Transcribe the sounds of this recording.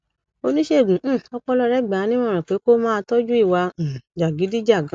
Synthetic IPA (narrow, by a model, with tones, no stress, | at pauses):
o˧nĩ˦ʃe˦˨ɡũ˨˦˨ɔ˧k͡pɔ˧˦lɔ˧ɾɛ˨˦˨ɡ͡ba˨˦nĩ˦ɔ̃˦˨ɾ̃ã˨k͡pe˨˦ko˦mãː˦˧tɔ˦d͡ʒu˦i˦˨wa˧˨d͡ʒa˨ɡi˨˦di˦d͡ʒa˦˨ɡã˨˦